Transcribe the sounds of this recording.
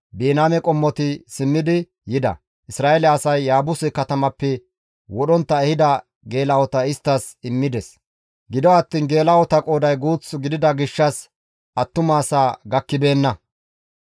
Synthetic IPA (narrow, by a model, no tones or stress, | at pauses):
beːnaːmɛkʼɔmːɔt̪ɪsɪmːɪd̪ɪ | jɪd̪ɐ̰ | ʔɪsɾaːɛlɛɐsɐjːaːbʊsɪkɐt̪ɐmɐpːɛ | wɔɗɔnt̪ːɐɛhɪd̪ɐ | ɡe̞ːlɐwɔt̪ɐɪst̪ːɐsɪmːɪd̪ɛs | ɡɪd̪ɔɐt̪ːiːnɡe̞ːlɐwɔt̪ɐkʼo̞ːd̪ɐjɡuːt͡sːɡɪd̪ɪd̪ɐɡɪʃːɐs | ʔɐt̪ːʊmaːsaːɡɐkːɪbe̞ːnːɐ